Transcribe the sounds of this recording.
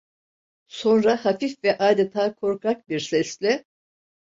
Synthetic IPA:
so̞nɾahafifvɛʔaːd̪et̪ʰaːkʰo̞ɾkʰak̚biɾsɛslʲɪ

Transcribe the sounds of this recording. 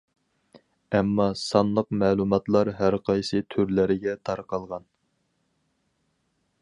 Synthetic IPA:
ɛmːɑsɑnlˠəqmɛːlˠumɑt̪lˠɑɾɦæɾqʰɑjsɨt̪ʰyɾlɪɾɪɡʲɛt̪ʰɑɾqɑlˠʁɑn

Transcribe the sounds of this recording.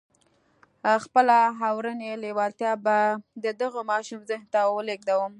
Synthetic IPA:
xpəlaɦawɾənelewɑlt̪jɑbad̪əd̪əɣəmɑʃumzəhnt̪awəleɡ̚d̪awəm

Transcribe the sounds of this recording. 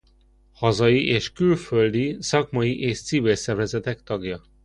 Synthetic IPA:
hɒzɒjiʔeːʃkylføld̪isɒkmɒjiʔeːʃt̪sivilsɛrvɛzɛt̪ɛkt̪ɒɡjɒ

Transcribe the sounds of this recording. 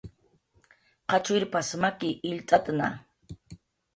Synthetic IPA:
qɑt͡ʃʊɾpasmakɪʔɪʎt̪ʼat̪na̰

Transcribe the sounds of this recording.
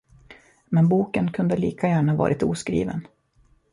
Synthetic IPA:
mɛnbuːkənkʰɵnd̪əliːkʰajæːɳavɑ̰ːɾʔɪt̪uːskɾḭːvə̰n

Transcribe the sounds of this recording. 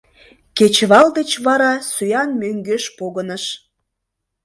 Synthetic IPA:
ket͡ɕβɑld̪et͡ɕβɑɾɑsyjɑnmøŋɡøʃpoɣənəʃ

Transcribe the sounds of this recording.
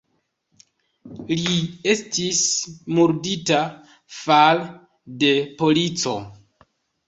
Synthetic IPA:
lie̞stismuɾdita | fal | de̞po̞lit͡so̞

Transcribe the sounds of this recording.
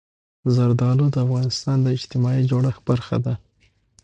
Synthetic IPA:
zaɾd̪ɑlod̪əafɣɑnɪst̪ɑnd̪əɪd͡ʒt̪ɪmɑid͡ʒoɽaxb̥aɾxa̰d̪a

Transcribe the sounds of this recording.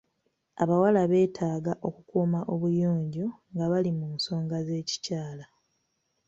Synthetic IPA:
aβawalaβe̞ːtʰaːɡaʔo̞kukuːmaʔo̞βujoːɲɟoŋɡaβalimuːnso̞ːŋɡaze̞ːci̥caːla

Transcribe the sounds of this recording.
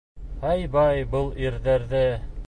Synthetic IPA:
hɑjbɑjbɤlˠiɾðæɾðɘ

